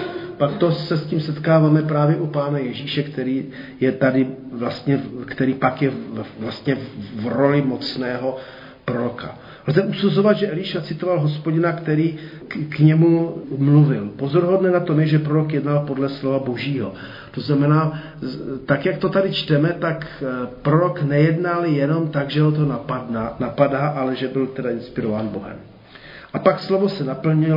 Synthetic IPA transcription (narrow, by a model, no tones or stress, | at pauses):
pakt̪o̞sɛsciːmsɛt̪kaːvaːmɛpɾaːvjɛʔupaːnajɛʒiːʃɛkt̪ɛɾiː | jɛt̪adɪvlast̪ɲɛkt̪ɛɾiːpakjɛvlast̪ɲɛvɾo̞lɪmo̞t͡snɛːɦo̞ | pɾo̞ɾo̞ka̰ | lzɛʔusuzo̞vad̪ʒɛʔɛliʃat͡sɪt̪o̞valɦo̞spo̞ɟɪnakt̪ɛɾiː | kɲɛmumluvɪlpozo̞ɾɦo̞dnɛnat̪o̞mjɛʒɛpɾoɾo̞kjɛdnalpo̞dlɛslo̞vaboʒiːɦo̞ | t̪o̞znamɛnaː | t̪akjak̚t̪o̞t̪adɪt͡ʃt̪ɛmɛt̪akpɾo̞ɾo̞knɛjɛdnaljɛno̞mt̪aɡʒɛɦot̪̬oaanapadaːʔalɛʒɛbɪlt̪ɛdaʔɪnspɪɾovaːnboɦɛ̰m | ʔapakslo̞vo̞sɛnapl̩ɲɪ